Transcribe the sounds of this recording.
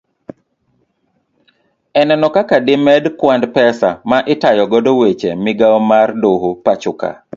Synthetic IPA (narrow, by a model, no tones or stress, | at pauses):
ɛnɛnɔkakadɪmɛdkwandpɛsa̰maʔɪtajɔɡɔdowet͡ʃḛmɪɡaɔmardoɦopat͡ʃʊka̰